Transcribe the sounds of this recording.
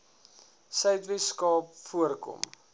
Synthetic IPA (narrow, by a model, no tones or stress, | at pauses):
sœɥtviskɑːp̚fuərkɔ̰m